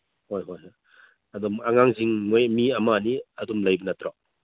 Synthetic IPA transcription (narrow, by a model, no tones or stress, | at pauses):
hojɦojɦɔj | ɐd̪ɔmaŋaŋziŋːɔjmiɐmaniɐdumlajbɐnɐt̪ɾɔ